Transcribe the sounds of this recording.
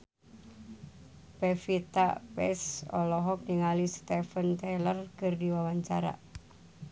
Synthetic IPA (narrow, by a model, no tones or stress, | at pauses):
pefit̪a̰pɛ̰sɔ̰lɔɦɔk̚niŋalist̪ɛfənt̪ɛlərkɨrdiwawaɲt͡ʃaɾa̰